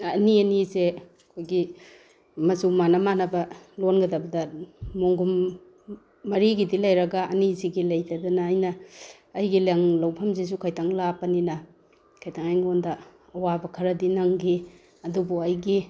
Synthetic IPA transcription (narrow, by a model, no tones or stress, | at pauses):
ɐniɐnize | kʰojɡi | mɐzumanamanɐbɐlonɡɐdabɐdɐmoŋɡum | ɐɾiɡidilajɾɐɡaːniziɡilajdadɐnaːjnɐː | jɡilaŋlawpʰɐmzizukʰajtʰaŋlapɐninɐ | kʰajtʰaŋajŋondɐː | wabɐkʰɐɾɐdinaŋɡi | ɐdubuɐjɡi